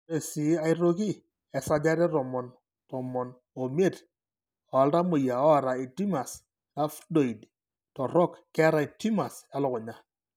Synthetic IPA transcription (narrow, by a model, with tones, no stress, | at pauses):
e˨si˨˦a˦i˦ɾo˦ki˦ | ɛ˨sa˦d͡ʒa˦ɾɛ˦ɾɔ˨mɔ˨n | tɔ˨mɔ˨n | o˨me˦˨t | ɔ˨a˨lɾa˦mo˨ja˨ɔ˦a˨ɾa˨i˨ti˦ma˨s | la˦fdo˨i˨d | tɔ˨ɾɔ˦kːɛ˦ɾa˨i˨ti˦ma˨sja˦lɔ˨kʊ˨ɲa˦